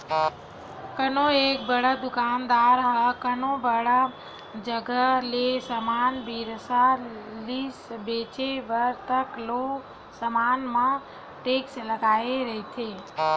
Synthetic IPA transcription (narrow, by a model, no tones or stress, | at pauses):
kənoek̚bəɽəd̪ʊkaːnd̪aːɾɦəkənõbəɽa | d͡ʒəɡəlesəmaːnbiɾsalisbet͡ʃeʋəɾt̪əklo | səmaːnmã | ʈeːksləɡaːeɾəɦit̪ʰe